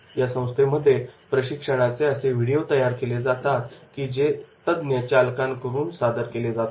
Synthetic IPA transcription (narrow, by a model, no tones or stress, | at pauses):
jasə̃w̃st̪ʰeməd̪ʱːjepɾəɕikʂəɽ̃at͡seəseʋiɽijot̪əjaɾkeled͡zat̪at̪kiːd͡ʑet̪əd̪njət͡ɕalkãnkəɾuːnsad̪əɾkeled͡zat̪